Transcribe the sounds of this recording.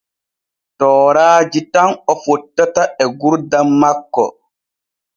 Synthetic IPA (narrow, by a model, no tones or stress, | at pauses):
tɔːɾaːd͡ʒitanɔfɔtːataɛɡuɾdamːakːɔ̰